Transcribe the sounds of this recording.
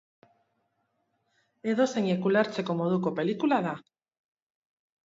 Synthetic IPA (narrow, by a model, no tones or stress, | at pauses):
e̞ðo̞se̞ɲekulaɾt͡se̞ko̞mo̞ðuko̞pe̞likulaða